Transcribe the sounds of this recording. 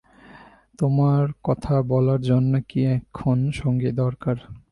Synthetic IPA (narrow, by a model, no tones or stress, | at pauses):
t̪omaɾkɔt̪ʰabɔlaɾd͡ʑonːokiɛkʰːonʃɔŋɡed̪ɔɾkaɾ